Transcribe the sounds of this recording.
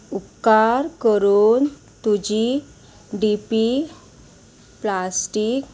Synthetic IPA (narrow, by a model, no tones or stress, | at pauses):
upkaɾkəɾun | t̪ud͡ʑi | ɖipi | plasʈik